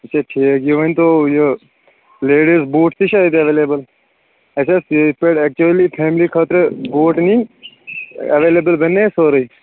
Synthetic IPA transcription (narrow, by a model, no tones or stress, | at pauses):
ɐt͡ʃʰaʈʰeɡijoʋə̃nt̪ojo | leːɖisboːʈt̪iʃaːid̪ɐʋeːleːbəl | ɐt͡ʃʰaspeːʈɛːk̚t͡ʃuəlipʰeːmlikʰaːt̪ɾboːʈnĩ | ɐʋeːleːbəlbɐnːesoːɾəi